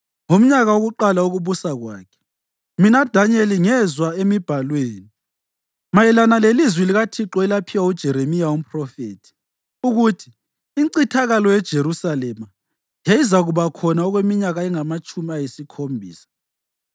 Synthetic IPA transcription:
ŋom̩ɲaɣawoɣuǃalauɣuβusaɣwa̰ːkʰɛ̥ | minad̥ʱaɲeliŋɛzwaemib̥ʱalweːni | majɛlanalelizwɛliɣatʰiǁɔɛlapʰiwaud̥ʒ̥ʱɛɾemijaum̩pʰrɔfeːtʰi̥ | uɣutʰiː | ŋǀitʰaɣalɔjɛd̥ʒ̥ʱeɾusalɛma | jeizaɣuβakʰɔnaɔɣwemiɲaɣaɛŋamat͡ʃʼumiajesikʰombʱḭːsḁ

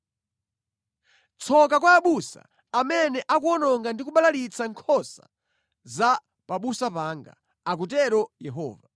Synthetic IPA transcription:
t͡sʰɔk̬akwaːɓusa̰ | amɛnɛʔakuɔnɔŋɡandikuɓalalit͡sʰaŋkʰɔsa̰ | za | paɓusapaːŋɡa̰ | ak̬utɛɾɔjɛɦɔ̰ːva

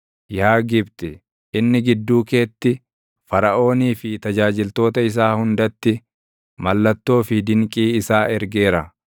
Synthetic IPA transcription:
jaːɡɪbt̪ɪ | ɪnːɪɡɪd̪ːuːke̞ːt̪ːɪ | fɐɾɐʔo̞ːniːfɪt̪ɐd͡ʒaːd͡ʒɪlt̪o̞ːt̪ɐɪs̬aːhʊnd̪ɐt̪ːɪ | mɐlːɐt̪ːo̞ːfɪd̪ɪŋkʼiːɪsaːɛɾɡe̞ːɾɐ

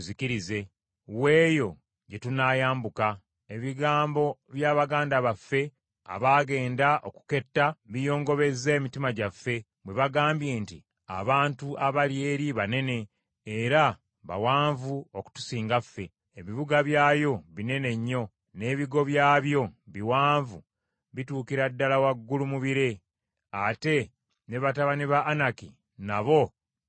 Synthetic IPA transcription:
uziciɾize̞ | we̞ːjo̞ | ɟe̞tunaːjaːmbuka | e̞βiɡaːmbo̞βjaːβaɡaːndaβafːe̞ | a̰βaːɡe̞ːndaʔo̞ku̥ke̞tːaβijo̞ːŋɡo̞βe̞ze̞ːmitimaɟafːe̞ | βwe̞βaɡaːmbje̞ːnti | a̰βaːntuʔaβalie̞ːɾiβane̞ne̞ | eɾa | βa̰waːɱvuoku̥tu̥siːŋɡafːe̞ | eβiβuɡaβjaːjo̞βine̞ne̞ɲːo̞ | ne̞ːβiɡo̞βjaːβjo̞βiwaːɱvu | βituːkiɾadːalawaɡːulumuβiɾe̞ | ate̞ | ne̞βataβaniβaʔːnaki | naβo̞

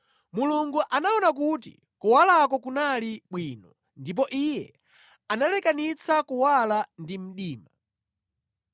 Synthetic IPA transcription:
muluŋɡuʔanaɔnak̬utḭ | kuwalakɔkunaliɓwiːnɔ | ndip̬ɔʔijɛ̰ | analɛkanit͡sʰakuwalandim̩ɗiːma

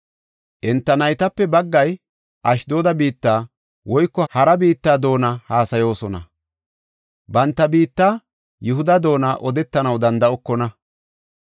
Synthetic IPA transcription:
ʔɛnt̪ːɐnɐjt̪ɐpːɛbɐɡːɐj | ʔɐʃd̪o̞ːd̪ɐbiːt̪ːaː | wɔjkːɔhɐɾɐbiːt̪ːaːd̪o̞ːnɐhaːsɐjo̞ːsɔnɐ̰ | bɐnt̪ːɐbiːt̪ːaː | jʊɦʊd̪ɐd̪o̞ːnaʔɔd̪ɛt̪ːɐnɐwd̪ɐnd̪ɐɔkːɔnɐ

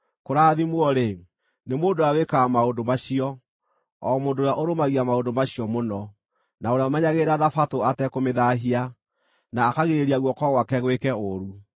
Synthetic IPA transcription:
koɾaːðimwɔɾe | nemoːndoawekamaondomaɕiɔ | ɔmoːdojaʔoɾomaɣiamaondomaɕiɔmonɔ | naoɾeamaɲaɣeɾaðafatoatɛkomeðaɦia | naːkaɣiɾeɾiaɣwɔkɔɣwakɛɣwekɛoɾu

